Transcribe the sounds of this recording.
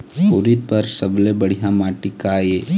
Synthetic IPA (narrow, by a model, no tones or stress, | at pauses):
oːɾit̪̚pəɾsəblebəɽ̤ijamãːʈɪkaje